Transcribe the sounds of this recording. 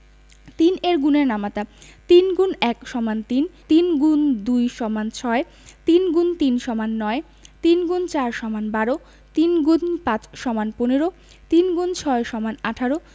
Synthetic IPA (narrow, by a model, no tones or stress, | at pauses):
t̪ineɾɡuneɾnamat̪at̪inɡunɛkʃɔmant̪int̪inɡund̪ujʃɔmant͡ɕʰɔe | t̪inɡunt̪inʃɔmanːɔe | t̪inɡunt͡ɕaɾʃɔmanbaɾo | t̪inɡunpãt͡ɕʃɔmanponeɾo | t̪inɡunt͡ɕʰɔeʃɔmanaʈʰaɾo